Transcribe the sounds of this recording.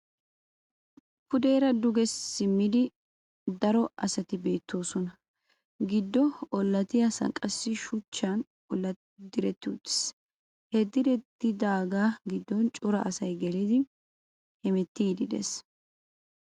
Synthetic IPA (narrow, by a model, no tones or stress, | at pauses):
pʊd̪e̞ːɾɐd̪ʊɡɛsːɪmːɪd̪ɪ | d̪ɐɾɔʔɐsɐt̪ɪbe̞ːt̪ʰːo̞ːsɔnɐ | ɡɪd̪ːɔɔlːɐt̪ɪjasɐ̰ŋkʼɐsːɪʃʊt͡ʃːan | ɔlːɐ | d̪ɪɾɛt̪ːɪut̪ːɪ̥s | hɛd̪ɪɾɛt̪ːɪd̪aːɡaːɡɪd̪ːɔnt͡ʃʼʊɾɐʔɐsɐjɡɛlid̪ɪ | hɛmɛt̪ːiːd̪ɪd̪ɛ̰s